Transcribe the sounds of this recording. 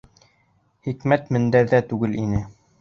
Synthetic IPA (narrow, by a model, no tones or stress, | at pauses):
χikmæt̪mɘ̆nd̪æɾðæt̪ʉɡɘlinɘ